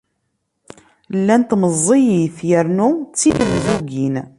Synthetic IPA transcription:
lːænt̪məzˤːijiθjəɾnut͡sːiðəmzuɡin

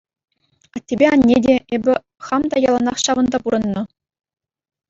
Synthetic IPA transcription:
ɑtʲːebʲeɑnʲːedʲeebʲɘ̆ | χɑmd̪ɑjɑlˠɑnɑχɕɑʋɤ̆nd̪ɑpuɾɤ̆nːɤ̆

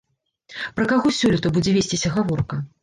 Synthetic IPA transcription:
pɾɐkaɣɔsʲɔlʲit̪ɐbud͡zʲɛvʲesʲt͡sʲisʲɐɣavɔrkɐ

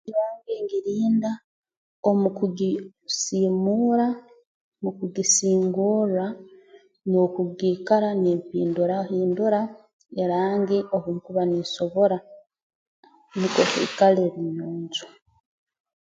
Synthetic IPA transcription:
iβaːŋɡeŋɡiɾiːnda | omukuɡi | siːmuːɾa | mukuɡisiːŋɡuɾa | nokuɡiːkaɾaniːmpiːnduɾahiːnduɾa | eɾaːŋɡiʔoβuŋkuβaniso̞βo̞ɾa | nikokḭkaleβinoːɲzu

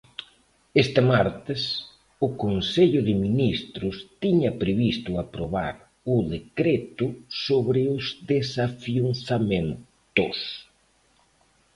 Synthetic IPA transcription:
est̪ɪmaɾt̪ɪs | ʊkonseʎʊðɪminist̪ɾʊst̪iɲɐpɾeβist̪ʊapɾoβa̰ɾ | ʊðekɾet̪ʊsoβɾɪʊzðesafjunθamen | t̪ʊs

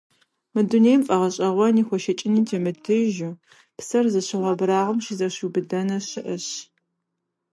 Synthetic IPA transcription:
mɨduneːjmfʼɐʁɐɕʼɐʁʷɔniːxʷɔʃɐt͡ʃʼɪniːtʰeːmɨdʰɨʒu | psɐrzɐɕɪʁʷɐbɨɾaːʁɐmɕizɐɕubɨdɐnɐɕɪʔɐɕ

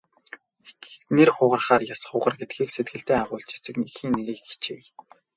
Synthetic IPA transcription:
nerχʊʁə̆rχaːrjasχʊʁə̆rɡet̪̚xiːkset̪̚ɡɘ̆ɬt̪eːaːʁʊːɮt͡ɕit͡sɘ̆knixiːnːeɾiːkxi̥t͡ɕeː

